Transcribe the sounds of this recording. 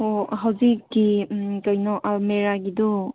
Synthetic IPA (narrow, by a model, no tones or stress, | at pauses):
oɦawzikːikajnɔʔameɾaɡidɔ